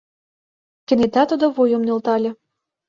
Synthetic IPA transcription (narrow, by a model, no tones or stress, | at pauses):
kɘ̆net̪æt̪ud̪ŏβojomnolt̪ɑlʲɤ̆